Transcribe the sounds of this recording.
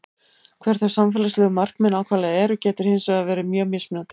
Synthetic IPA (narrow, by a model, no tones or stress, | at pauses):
kʰv̥ɛɾ̥θḁsamfɛːlaslɛːɣʏmar̥kmɛnaːwkʰvaːlɛðɛːɾʏcɛːt̪ɪɾ̥heːnsvɛɣavɛːɾɪmjœːɣmɪsmɪnat̪ɪ̥